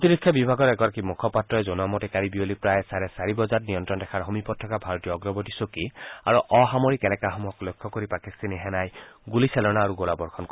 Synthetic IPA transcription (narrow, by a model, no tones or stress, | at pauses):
t̪iɾikʰːjɔbibʱaɡɔɾɛkɔɾakimukʰɔpatɹɔɛzɔnuamɔtɛkaɹibiolipɾajsaɾɛsaɹibɔzatnijɔntɾɔndɛkʰaɹɦɔmipɔtʰːɔkabʱaɹɔt̪ijɔːɡɹɔbɔtisokia̰ɹuɔɦamoɹikɛnɛkaɦɔmuɦɔklojkʰːɔkoɾipakist̪aniɦɛnajɡulisɛlɔnaːɾuɡolabɔɹkʰɔnk